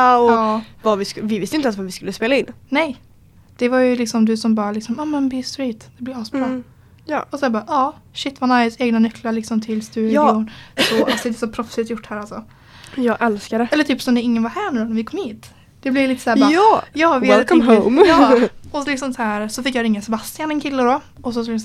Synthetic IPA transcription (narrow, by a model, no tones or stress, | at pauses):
aɔɑvavɪskvɪvɪst̪əɪnt̪ɛlsvaɾvɪskɵlːəspeːlaɪnːnɛj | d̪̥ɛvaɾjɵlɪksɔmd̪ɵsɔmbɑːɾalɪksɔmɑːmɛnbist̪ɾiːt̪d̪̥ɛblɪɾɑːsbɾɑ | jːɔsɔjabɑːɾʔɑːʃɪt̪ːvanaɾjseːɡnanʏklaɭɪksɔmt̪ʰɪlst̪ʉ̟ːd̪ɪʊnsɔʔalsɔd̪ɛd̪ɛsɔpʰɾɔfsɪt̪jʊʈːhæːɾalsɔ | jɑːɡʔɛlskadɛɛlːəʈ̪ʰyːpsɔmd̪ɛɪŋːənvaɾhæːɳʉːnaɾvɪkʰɔmhiːt̪ | d̪̥ɛblɪliːt̪ə̥sæːbbaːɑjɑːvwɛltkɔmɦomɑɔɔlɪksɔmsæːɾsɔfɪkːjɑɾɪŋːasɛbast̪ɪjanɛnkʰɪlːəd̪ɔ | ɔs̬ɔskl